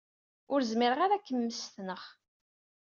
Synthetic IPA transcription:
ʊɾzmɪɾəʁaɾækːəmːəst̪nəχ

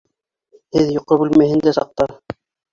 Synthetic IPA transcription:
hɘðjŏqːɤbʉlmæhɘ̆nd̪æsɑ̰q̚t̪ɑ

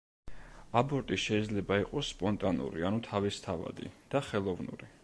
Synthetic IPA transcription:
abɔɾt̪ʼiʃɛid̪zlɛbaiqʼɔsːpʼɔnt̪ʼanṵɾḭanut̪ʰavist̪ʰava̰d̪ḭd̪̥aχɛlˠɔvnṵɾi

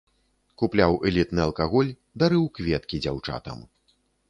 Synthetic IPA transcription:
kuplʲawʔɛlʲit̪nɨɐlˠkaɣɔlʲ | d̪aɾɨwkvʲɛt̪kʲid͡zʲawt͡ʂa̰t̪ɐ̰m

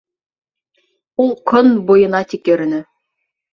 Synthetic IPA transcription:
ulˠkʰɵnbojɤ̆nɑt̪ikĕɾɘ̆nɘ

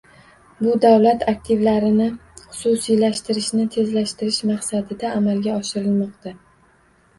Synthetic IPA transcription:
bʊd̪awlat̪ʰak̚ʲt̪ʰɪvlaɾɪnɪχʊ̥sʊsijlaʃt̪ɪɾɪʃnɪt̪ʰe̞zlaʃt̪ɪɾɪʃmaqsad̪ɪd̪aːmalɡʲaɒʃɪɾɪlmɒqt̪ʰa

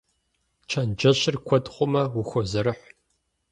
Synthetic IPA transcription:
t͡ʃʰɐnd͡ʒɐɕɪrkʷʰɔdχʷʊmɐwʊxʷɔzɐɾɨħʷ

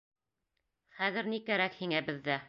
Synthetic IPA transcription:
χæðɘ̆ɾnikæɾækhiŋæbɘ̆ðːæ

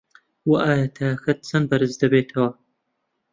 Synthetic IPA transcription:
wɐʔaːjɐt̪ʰɐaxɐt̪̚t͡sɐnbɐɾɨzd̪ɐbeːt̪ʰɐwɐ

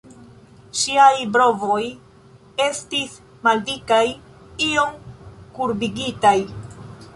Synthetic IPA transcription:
ʃiajbɾo̞vo̞j | e̞stis | maldikaj | io̞mkuɾbiɡitaj

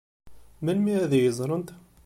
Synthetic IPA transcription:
mælmiæðijəzˤɾˤənt̪

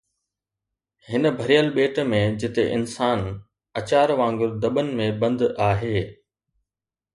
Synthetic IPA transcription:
hɪnə̆bʱɐɾijəlɓeːʈmẽd͡ʑɪt̪eʔɪnsaːn | ɐt͡ɕaːɾʋãːŋɡʊɾd̪ɐɓənɪ̆mẽbɐ̃nd̪aːɦeː

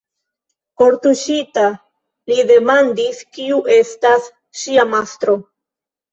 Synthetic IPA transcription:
ko̞ɾtuʃita | lide̞mandiskiuʔe̞stas | ʃiamastɾo̞

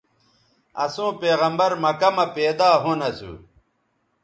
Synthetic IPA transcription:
ɐ̰sũːpeːɣɐmbɐɾmɐkɐmɐpeːd̪aːɦonɐsṵ

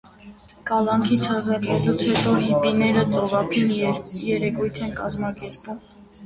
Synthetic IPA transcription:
kɑlɑŋkʰit͡sʰhɑzɑɾɛlut͡sʰhɛt̪ɔɦipinɛɾət͡sʼɔvɑpʰinjɛɾɛkujt̪ʰɛnkɑzmɑkɛɾpum

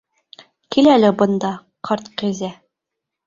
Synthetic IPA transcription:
kilælɘbɤ̆nd̪ɑ | qʰɑɾt̪qĭzæ

